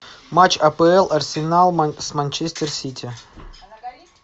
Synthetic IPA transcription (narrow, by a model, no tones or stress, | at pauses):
mat͡ɕɐpəɛlˠɐrsʲɪnalˠsmanʲt͡ɕesʲt̪ərsʲit̪ʲɪ